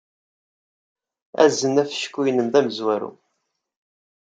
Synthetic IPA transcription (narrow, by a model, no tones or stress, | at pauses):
æ̰zːənæfə̥ʃkːujnəmðæməzwæɾṵ